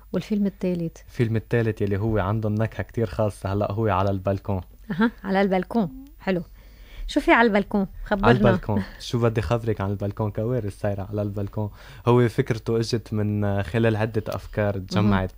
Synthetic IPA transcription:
wɪlfɪlmɪt̪ːeːlɪt̪lfilmɪt̪ːeːlɪt̪jalːiɦʊwːeʕand̪ʊnːakħakt̪iːɾxɑːsˤːɑhalːa̰ʔɦʊwːeʕalalbalkõː | ʔaɦaʕalalbalkõːħɪlu | ʃuːfiʕalbalkõːxabʕaːɪɾnbaakõːʃuːbad̪ːixabɾɪkʕanɪlbalkõːkaweːɾɪsaːjɾaʕalalbalkõː | hʊwːefɪkɾt̪uʔɪʒɪt̪mɪnxɪleːlʕɪd̪ːeʔa̰fkɑːɾˤt̪ʒamːaʕɪt̪̚

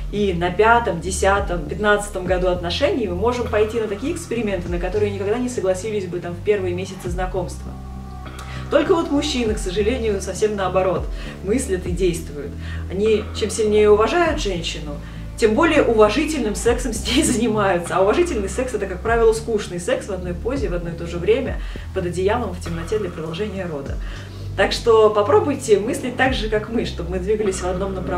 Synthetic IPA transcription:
inɐpʲat̪əmdʲɪsʲat̪əmpʲɪt̪nat̪sɨ̥t̪əmɡɐd̪uɐt̪nɐʂɛnʲɪjmɨmo̞ʐɨmpɐjtʲinət̪ɐkʲijəɪkspʲɪɾʲɪmʲe̞nt̪ɨnəkɐt̪o̞ɾɨjənʲɪkɐɡd̪anʲɪsəɡlˠɐsʲilʲɪsʲbɨt̪amfpʲe̞rvɨjəmʲesʲɪt̪sɨznɐko̞mst̪və̰ | t̪o̞lʲkəvo̞t̪mʊɕːinɨksəʐɨlʲenʲɪjʊsɐfsʲemnəɐbɐɾo̞t̪ | mɨsʲlʲət̪ɨdʲejst̪vʊjʊ̰t̪ | ɐnʲit͡ɕemsʲɪlʲnʲejəʊvɐʐajʊt̪ʐɛnʲɕːɪnʊ | tʲembo̞lʲɪjəʔʊvɐʐɨtʲɪlʲnɨmsɛksəmsʲnʲejʲzənʲɪmajʊt̪səɐʊvɐʐɨtʲɪlʲnɨjsɛksɛt̪əkak̚pɾavʲɪlˠəskuʂnɨjsɛksvɐd̪no̞jpo̞zʲɪvɐd̪no̞jt̪o̞ʐɨvɾʲemʲə̰ | pəd̪ɐdʲɪjalˠəmftʲɪmnɐtʲed̪lʲɐpɾəd̪ɐlˠʐɛnʲɪjəɾo̞d̪ə̰ | t̪akʂt̪o̞pɐpɾo̞bʊjtʲɪmɨsʲlʲɪt̚ʲt̪aɡʐɨkakmɨʂt̪o̞b̚mɨd̪vʲiɡəlʲɪsʲvɐd̪no̞mnəpɾɐ

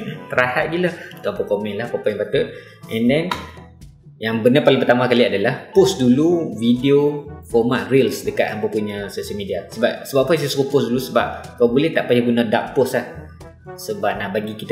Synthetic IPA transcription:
t̪əɾahaʔ̪̚ɡilat̪ampakomɛ̃nlahkapaj̃ŋbat̪ut̪̚ | ʔɛ̃ndɛn | jaŋbənapalɪŋpərt̪amakaliadalahpʊsduluvidiofɔmat̪̚rilsdəka̰t̪ampapuɲasoʃəlmidiasəbap̚səbapːpusasukupʊsdulusəba̰p̚kawbulɛht̪aʔpajaɡunadaʔpʊslah | səbap̚naʔbaɡikit̪

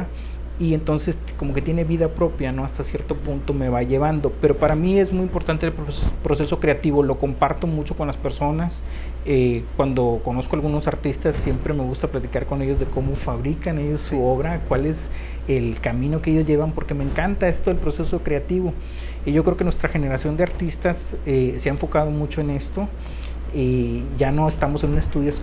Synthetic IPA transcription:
ie̞nt̪o̞nse̞s | ko̞mo̞ke̞t̪je̞ne̞βiðapɾo̞pjano̞ast̪asje̞ɾt̪o̞punt̪o̞me̞βaʝe̞β̞and̪o̞pe̞ɾo̞paɾamie̞zmujimpo̞ɾt̪ant̪elppɾo̞se̞so̞kɾe̞at̪iβo̞lo̞ko̞mpaɾt̪o̞mut͡ʃo̞ko̞nlaspe̞ɾso̞nas | ekwand̪o̞ko̞no̞skoalɣuno̞saɾt̪ist̪asːje̞mpɾe̞me̞ɣust̪aplat̪ikaɾko̞ne̞jozðe̞ko̞mo̞faβɾikane̞ʝo̞sːuo̞βɾakwale̞s | elkamĩno̞kee̞ʝo̞zʝe̞βampo̞ɾke̞me̞ːŋkant̪ae̞st̪oelpɾo̞se̞so̞kɾe̞at̪iβo̞ | ʝokɾeokenwe̞st̪ɾaxe̞ne̞ɾasjo̞nd̪eaɾt̪ist̪as | eseaeɱfo̞kað̞o̞mut͡ʃo̞ene̞st̪o̞ | eʝano̞est̪amo̞se̞nune̞st̪uðjo

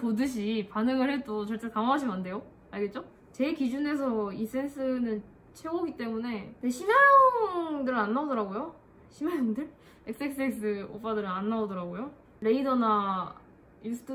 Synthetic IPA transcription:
podɯɕʰipanɯŋɯɭɦet͈ot͡ɕʌɭt͡ɕ͈ekaŋaɦaɕ̬ʰimande̞jo | aɭɡe̞t̚t͡ɕ͈o | t͡ɕe̞kid͡ʑune̞s̬ʰʌis͈e̞nsʰɯnɯn | t͡ɕʰe̞oɡit͈e̞mune̞deɕʰimajoŋŋdɯɾanːaodʌɾaɡojo | ɕʰimajoŋdɯɾ | ek̚s͈eks͈eks͈ɯo̰p͈ʰadɯɾɯanːaodʌɾaɡojo | ɾe̞idʌna | jusʰɯ̥tʰ

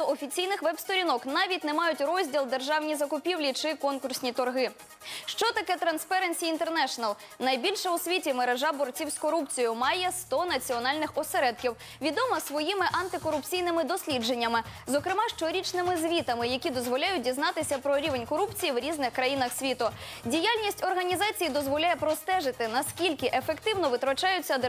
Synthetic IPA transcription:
t̪ɔɔfʲit͡sʲijnɪxʋɛbst̪ɔɾʲinɔknɑʋʲitʲnɛmɑjʊtʲrɔzʲdʲilˠd̪erʒɑwnʲizɐkʊpʲiwlʲit͡ʃɪkɔnkʊrsʲnʲit̪ɔrɦɪ | ʃt͡ʃɔt̪ɐkɛt̪ɾɐnspɛɾenʲsʲiːnt̪ernɛʃɔnɐlˠ | nɐjbʲilʲʃɛʊsʲʋʲitʲimeɾeʒɑbɔrt͡sʲiwskɔɾupt͡sʲijʊmɑjɛst̪ɔnɐt͡sʲiɔnɑlʲnɪxɔseɾɛd̪kʲiw | ʋʲid̪ɔmɐsʋɔjimɪʔɐnt̪ɪkɔɾʊpt͡sʲijnɪmɪd̪ɔsʲlʲid͡ʒe̞nʲːɐmɪzɔkɾɪmɑʃt͡ʃɔɾʲit͡ʃnɪmɪzʋʲit̪ɐmɪjɐkʲid̪ɔzʋɔlʲajʊt̚ʲdʲiznɑt̪ɪsʲɐpɾɔɾʲiʋenʲkɔɾupt͡sʲijiwɾʲiznɪxkɾɐjin̪ɐxsʲʋʲit̪ʊdʲijalʲnʲisʲtʲɔrɦɐnʲizɑt͡sʲijid̪ɔzʋɔlʲajɛpɾɔst̪ɛʒɪt̪ɪnɐskʲilʲkɪʔefekt̪ɪwnɔʋɪt̪ɾɔt͡ʃɑjʊt͡sʲːɐd̪

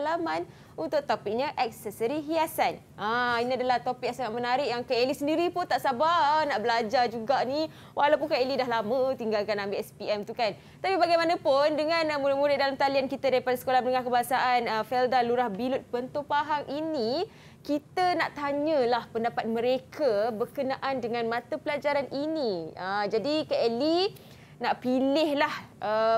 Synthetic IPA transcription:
laman | unt̪ʊʔ̚t̪opɪk̚ɲəʔɛk̚sɛsəɾiɦiasan | ʔainiadalaht̪opɪk̚saŋaʔ̪̚mənaɾɪʔjaŋkəelisəndiɾipʊnt̪aʔsabanaʔbəlad͡ʒad͡ʒuɡaʔni | wʔalawp̬unkaelidaɦlamə̃t̪iŋɡalkanambeʔɛspiɛmt̪ukan | t̪apibaɡajmanapʊndəŋãnmuɾɪtmuɾɪt̪̚dalamt̪aliankit̪adaɾipadasə̥kolahbənəŋahkəbaasaʔanəfɛldaluɾahbilʊt̪̚pənt̪opaɦaŋʔini | kit̪əna̰ʔt̪aɲəlahpəndapat̪̚məɾekʰəbərkənaʔandəŋãnmãt̪əpəlad͡ʒaɾanʔiniəd͡ʒadikaʔɛli | naʔpilɪhlahʔə

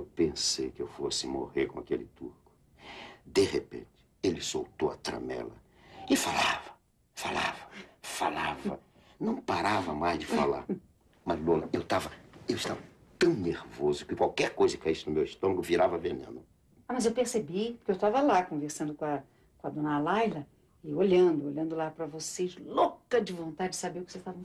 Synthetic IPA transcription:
ewpẽsḛjkɪewfosɪmoheɾkõakelɪt̪uɾkʊ̥ | d̪ehepḛ̃t͡ʃɪ̥ | elɪso̰wt̪oɐ̰t̪ɾɐ̰mɛ̰lɐ̰ | ɪfalavɐ | fala̰vɐfalavɐ̰ | nɐ̃w̃paɾavɐmajzd͡ʒɪfa̰la̰ɾ | mɐzlõnɐewt̪avɐewɪʃt̪avɐ | t̪ɐ̃w̃neɾvozʊkɪkwawkɛɾkojzɐkaisʊnʊmewist̪õmɐɡʊviɾavɐvenḛ̃nʊ | amɐzewpeɾsebipʊkeewt̪avɐlakõveɾsɐ̃nd̪ʊkõɐ | kõɐd̪õnɐalajlɐ | ɪoʎɐ̃nd̪ʊoʎɐ̃nd̪ʊlapɾɐvosezlokɐd͡ʒɪvõnt̪ad͡ʒɪd͡ʒɪsabeɾʊkɪseʃt̪avɐ̃

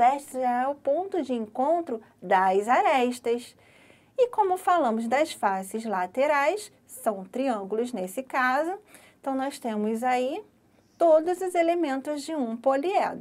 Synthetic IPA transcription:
ɛʃt̪ɪaɛʊpõnt̪ʊd͡ʒɪẽŋkõnt̪ɾʊ | d̪ɐzaɾɛʃt̪ɐs | ɪkõmʊfalɐ̃mʊzd̪ɐsfasɪzlat̪eɾajs | sɐ̃w̃t̪ɾiɐ̃ŋɡulʊznesɪkazʊẽt̪ɐ̃w̃nɔst̪ẽmʊzai | t̪od̪ʊzʊzelemẽnt̪ʊzd͡ʒɪũpoliɛ̰d̪ʊ

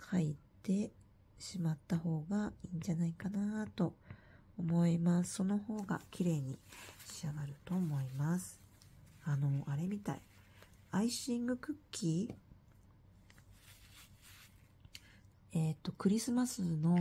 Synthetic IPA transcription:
kʰait̪e̞ | ɕimat̪ːaho̞ːɡaiːɲ̟d͡ʑanaikanat̪o̞ | omo̞imasɨ̥so̞no̞ho̞ːɡa̰kʲʰiɾe̞ːɲ̟iɕiaɡaɾɯ̟t̪o̞mo̞imasɨ̥ | ano̞ʔaɾe̞mʲit̪a̰i | aiɕĩŋɡɯ̟kɯ̟kʲʰːi | et̪ːo̞kɯ̟ɾʲisɨmasɨno̞

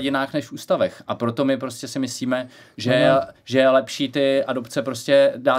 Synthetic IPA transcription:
ɟɪnaːxnɛʃfuːst̪avɛxʔapɾo̞t̪o̞mɪpɾo̞scʲɛsɪmɪsliːmɛ | ʒɛɛʒɛjɛlɛpʃiːt̪ɪʔado̞pt͡sɛpɾo̞scɛdaː

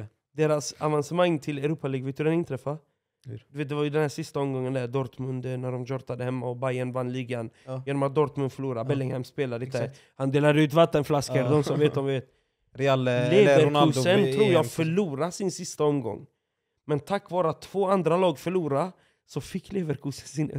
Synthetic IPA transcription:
d̪eːɾasavansəmaŋːt̪ʰɪlɛɾuːpaliːɡveːt̪ɵd̪ɛnɪnt̪ʰɾɛfːa | d̪ɵveːt̪̚d̪ɛvaɾjʉd̪ɛnhæːʂɪst̪aɔmɡɔŋːənd̪æɾd̪ɔɾt̪mɵnd̪næɖɔmd͡ʒɔɾt̪ad̪əhɛmːaɔbajanvanliːɡanjeːnɔmat̪̚d̪ɔɾt̪mɵnd̪fœɭuːɾaɾbɛlːɪŋhɛmspeːlaɾəɪ | hand̪eːlaɾəʉ̟ːt̪vat̪ːənflaskəɾd̪ɔmsɔmveːt̪ɔmvɪveːt̪ | ɾɛalleːvɛɾkʉsənt̪ɾuːɾjɑfœɭuːɾasɪnsɪst̪aɔmɡɔ̰ŋː | mɛnt̪ʰakːvɑːɾəat̪ʰːv̥oːand̪ɾalɑːɡfœɭuːɾa | sɔfɪkːleːvəɾkʰʉːsə̥nsɪnɛ̰

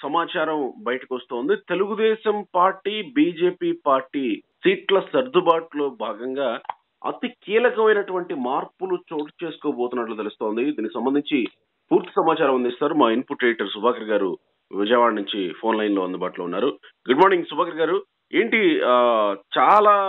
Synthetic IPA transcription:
sɐmaːt͡ʃaːɾɐmbɐjɐʈɐkiʋɐst̪oːnd̪it̪e̞luɡud̪ɛːʃɐmpaːɾʈiːbiːd͡ʒe̞ːpiːpaːɾʈiːsiːʈlɐsɐɾd̪ʱubaːʈlo̞ːbʱaːɡɐŋɡaː | ɐ̰t̪ikiːlɐkɐmɐjnɐʈuʋɐɳʈimaːɾpulut͡ʃoːʈɐ̥t͡ʃe̞ːsu̥koːboːt̪unːɐʈ̬lut̪̬elust̪o̞ːnd̪id̪iːnikisɐmbɐnd̪ʱiɲt͡ʃi | puːɾt̪i̥sɐmaːt͡ʃaːɾɐmɐnd̪ist̪aːɾumaːinpuʈɾeːʈɐɾsubʱaːkɐɾɐɡaːɾṵ | ʋid͡ʒɐɛjʋaːɽɐnuɲt͡ʃipʰo̞ːnlɐjnlo̞ːɐnd̪ubaːʈloːunːaːɾu | ɡuɖmaːɾniŋɡsubʱaːkɐɾɐɡaːɾu | eːɳʈi | t͡ʃaːlaː

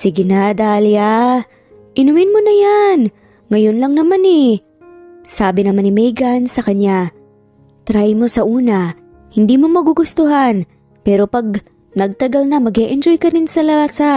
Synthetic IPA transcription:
sɪɡɪnad̪aːlja | ʔɪnʊmɪnmo̞nɐjan | ŋɐjonlɐŋnɐmanɛ | saːbɪnɐmanɪmɛjɡɐnsɐkɐnja | t̪ɾajmo̞sɐʔuːnɐ | hɪnd̪iːmo̞mɐɡuɡʊst̪oɦan | pɛːɾo̞pɐɡ̚ | nɐɡ̚t̪ɐɡalnɐmɐɡɛʔɛnd͡ʒojkɐɾɪnsɐlasa

